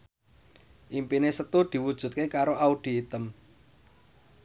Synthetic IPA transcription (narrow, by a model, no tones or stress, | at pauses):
ʔimpinesət̪ud̪̥i̤wud̥ʒ̥ṳt̪̚kekaɾoʔaud̪̥i̤ːt̪əm